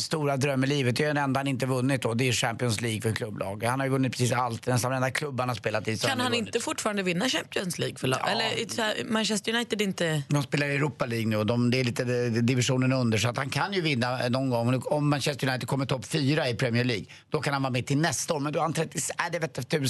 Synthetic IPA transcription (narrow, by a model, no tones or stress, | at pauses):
st̪uːɾad̪ɾœmːəɭiːvət̪̚d̪ɛɛnɛnd̪ahanɪnt̪əvɵnːɪt̪̚d̪ɔd̪ɛʂæmpɪɔnsliːɡfœɾkʰlɵbːlɑ̰ːɡ̪hanhaɾjʏvɵnːɪt̪pʰɾɪ̥siːsalt̪nɛsanɔmɛnd̪akʰlɵbːaɳaspeːlat̪ɪskanhanɪnt̪əfʊʈfɑːɾand̪əvɪnːaɕæmpɪɔnsliːɡfœɭ̰ɛːəmanʃɛst̪əɾjʊnajt̪ɪd̪ɪnt̪əd̪ɔmspeːlaɾɛɾuːpːaliːɡnʉ̟ːɔd̪ɔmd̪ɛːɭiːt̪əd̪ɪvɪʂuːnənɵnd̪əʂɔat̪hankʰanjɵvɪnːanɔnɡɔŋːɔmːanʃɛst̪əɾjʊnajt̪ɪd̪kʰɔmːəɾʈt̪ʰɔpːfyːɾaɪpʰɾɛmɪɛɭiːɡ | d̪̥ɔkʰanhanvɑːɾmɛt̪ʰɪlnɛst̪aoːɾmɛnd̪ɔahant̪ʰɾɛt̪ːɪæɖɛvɛːt̪ːɛt̪ʰʉ̟ːs